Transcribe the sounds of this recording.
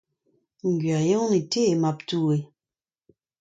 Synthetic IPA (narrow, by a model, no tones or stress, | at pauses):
ŋ̩ɡɥajɔŋnetemap̚tue